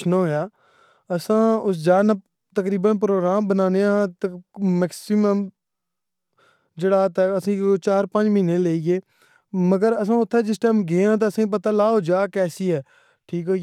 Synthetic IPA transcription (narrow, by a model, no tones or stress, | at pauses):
noɦojaː | əsãːʊsd͡ʒaːna | t̪əkɾiːbənpɾoːɡɾaːmbənaːneãt̪mɛksɪməm | d͡ʒeːɽaːt̪ɛːəsĩːt͡ʃaːɾpə̃nd͡ʒmĩːneːleːiːɡeː | məɡəɾəsãːʊt̪ʰːɛːd͡ʒɪsʈɛːmɡeːãːt̪̬oːəsãːip̬ət̪aːlaːoːd͡ʒaːkɛːsiːɦɛː | ʈʰiːkɦo